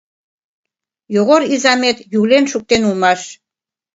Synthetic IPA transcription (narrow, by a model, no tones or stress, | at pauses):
joɣoɾizɑmet̪juɣlenʃuk̚t̪enumɑʃ